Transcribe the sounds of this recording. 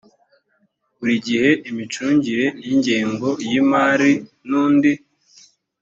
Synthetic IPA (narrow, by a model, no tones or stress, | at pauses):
βuɾiɟihe̞ʔimit͡ʃuːɲɟiɾe̞niɲɟeːŋɡo̞jimaːɾi | nuːndi